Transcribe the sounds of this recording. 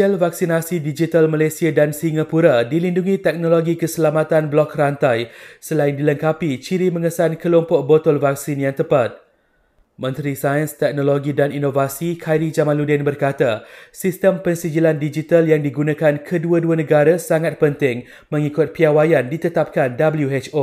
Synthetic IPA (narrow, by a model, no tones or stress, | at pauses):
əlvaksinasidid͡ʒit̪almãlasiadansiŋapuɾadilinduŋĩt̪ɛk̚noloɡikəsəlamat̪anblɔkrant̪ajsəlaɪndiləŋkapit͡ʃiɾimə̃ŋəsankəlɔmpʊʔ̚bot̪ɔlvak̚sinjaŋt̪əpat̪̚ | mə̃nt̪ɾisajənst̪ɛk̚nõloɡidaninovasikʰajɾid͡ʒamãnludɪnbərkat̪asist̪əmpənsid͡ʒilandid͡ʒit̪aljaŋdiɡunãkankʰəduəduanə̃ɡaɾasaŋat̪̚pənt̪ɪŋ | mə̃ŋikʊt̪̚piawajandit̪ət̪ap̚kandabəljuet͡ʃo